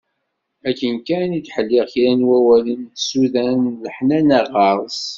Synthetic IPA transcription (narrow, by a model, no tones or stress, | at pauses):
ækːənkæniθħəlːɪʁθiɾænwæwælənθsuðænləħnænæʁɑɾˤz